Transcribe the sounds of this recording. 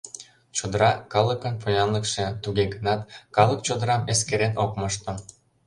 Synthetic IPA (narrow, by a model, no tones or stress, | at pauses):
t͡ɕod̪əɾɑkɑləkənpojɑnləkʃĕt̪uɣeɡənɑt̪kɑlək̚t͡ɕod̪əɾɑmeskeɾenokmɤʃt̪o